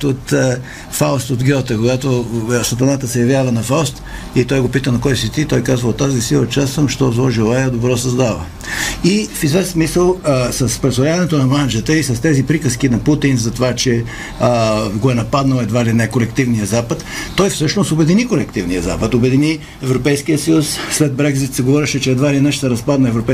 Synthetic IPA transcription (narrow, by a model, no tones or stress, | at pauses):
t̪ot̪ə | faʊst̪od̪ɡʲɔt̪əkoɡat̪osɐt̪ɐnat̪əsɛjɐvjavɐnɐfawst̪ | it̪ɔjɡopit̪ənɐkɔjsit̪it̪ɔjkazvɐlˠt̪azisilˠət͡ʃasəmʃt̪ɔzlˠɔʒɛlˠajɛd̪obɾɔsɐzd̪avə̰ | ifizvɛssmisəlˠsɐspɾɛsoɾʲavɐnɛt̪onɐmand͡ʒət̪əisɐst̪ɛzipɾikəsk̟inɐput̪inzɐt̪ovat͡ʃɛ | ɡoɛnɐpad̪nəlɛd̪valinakolɛkt̪ivnijəzapət̪ːɔjfsɤʃnosobɛd̪inikolɛkt̪ivnijəza̰pət̪obɛd̪ini | ɛvɾopɛjskijəsəjusslɛd̪̚bɾɛɡzit̪sɛɡovɔɾɛʃɛt͡ʃɛːd̪valinəʃsɛɾɐspad̪nɐɛvɾopɛ